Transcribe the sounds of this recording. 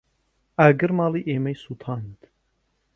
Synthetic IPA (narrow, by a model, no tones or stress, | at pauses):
æɡɨɾmɑːlˠiːʔeːmɐjsut̪ʰɑːnd̪